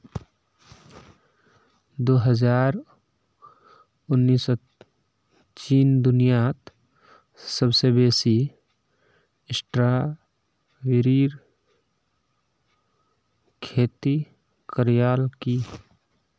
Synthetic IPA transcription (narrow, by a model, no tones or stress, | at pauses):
d̪oːɦəd͡ʒaːɾ | ʊnːiːs | t͡ʃiːnd̪ʊnijat̪ | səbsebeːsi | ɪsʈɾa | ʋɪɾiːɾ | kʰeːt̪i | kəɾijaːlki